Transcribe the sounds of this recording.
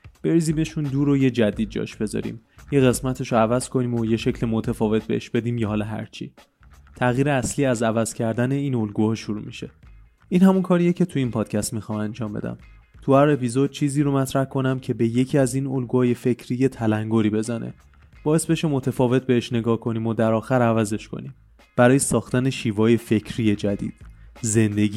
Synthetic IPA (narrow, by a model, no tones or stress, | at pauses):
b̥e̞ɾizime̞ʃund̪uːɾoje̞d͡ʒæd̪iːd̪̚d͡ʒɒ̰ʃb̥e̞zɒ̰ɾḭːmje̞ɣe̞smæt̪ʰe̞ʃoævæz̥kʰo̞niːmoje̞ʃe̞cʰlimot̪ʰæfɒːve̞t̪̚ʰbe̞̰eʃb̥e̞d̪iːmjɒhɒːlɒɦæ̰ɾt͡ʃʰḭ | t̪ʰæɣjiːɾeæsliːæzævæz̥cʰæɾd̪æneiːno̞lɡuːhɒːʃuɾṵːmiʃe̞̰ | inhæmunkʰɒːɾijecʰe̞t̪ʰuinpʰɒːd̪̥cʰæst̪mixɒːmænd͡ʒɒːmbe̞d̪æ̰m | t̪ʰuæɾe̞pizo̞d̪̥̚t͡ʃʰiːziːɾomæt̪ʰɾæhkʰo̞næmcʰe̞be̞je̞cʰiːæziːnolɡuhɒːje̞fe̞cʰɾije̞t̪ʰælæŋɡoɾiːbe̞zænʔḛ | b̥ɒːje̞sbe̞ʃe̞mo̞t̪ʰefɒːve̞t̪̚be̞heʃne̞ɡɒːhkʰo̞niːmod̪æɾɒːxæɾævæze̞ʃkʰo̞̰niːm | b̥æɾɒːje̞sɒːxt̪æne̞ʃiːvɒːje̞fe̞cʰɾije̞d͡ʒæd̪ḭːd̪̥ze̞nd̪e̞ɡi